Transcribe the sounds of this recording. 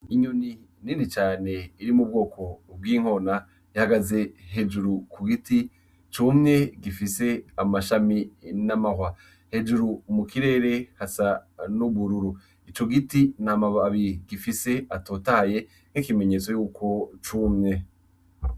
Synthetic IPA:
iɲuni | ninit͡ʃaːne̞iɾimub̚ɡo̞ːkʰo̞b̚ɡiːŋ̥o̞na | ihaɡaze̞he̞d͡ʒuɾukuɡiti | t͡ʃumɲe̞ɡifise̞amaʃaminamahwa | he̞d͡ʒuɾumukiɾe̞ːɾe̞hasanuβuɾuɾu | it͡ʃo̞ɡitinamaβaβiɾiɡifise̞ato̞ːtaje̞ | n̥ikime̞ɲe̞t͡so̞juːkʰo̞t͡ʃumɲe̞

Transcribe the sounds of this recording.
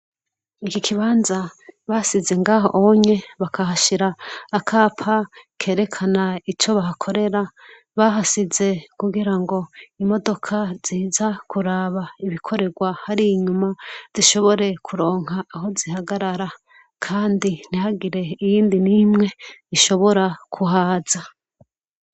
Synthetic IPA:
ikikʰiβaːnzaβasize̞ŋɡaːɦo̞̰ʔoɲe̞βakʰaɦaʃiɾaːkʰaːpʰakʰe̞ːɾe̞kʰanait͡ʃo̞βaɦakʰo̞ɾe̞ɾa | βaɦasize̞kuɡiɾaŋɡo̞imo̞do̞kʰaz̥iːzakuɾaβaiβikʰo̞ɾe̞ɡwahaɾiːɲumaz̥iʃo̞βo̞ɾe̞kʰuɾo̞ːŋ̥ɦaːɦo̞zihaɡaɾaɾa | kʰaːndin̥ihaɡiɾe̞ijiːndinimŋe̞iʃo̞βo̞ɾakʰuɦaːza

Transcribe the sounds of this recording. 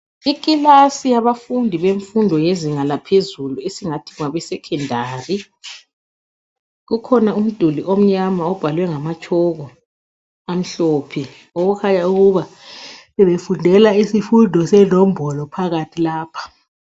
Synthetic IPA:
ikʼilasijaβafundʱiβeɱfundʱɔjeziŋalapʰezuluesiŋatʰiuaβɛsɛkʰɛndʱaːri | ɣukʰɔnaum̩d̥ʱuliʔom̩ɲamaɔb̥ʱalwɛŋamat͡ʃʰʼɔɣɔ | am̩ɬoːpʰi | oɣukʰaɲauɣuβaβɛβefundʱɛlaisifundʱɔsɛnɔm̩bʱɔlɔpʰaɣatʰilaːpʰḁ

